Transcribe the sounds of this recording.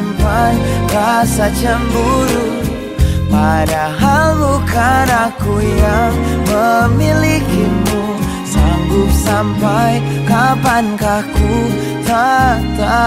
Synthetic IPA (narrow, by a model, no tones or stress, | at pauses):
mpankasat͡ʃəmbuɾu | paɾaɦalukʰaɾakujaŋməmilikinmu | saŋɡup̚sampaj | kapankaku | t̪at̪a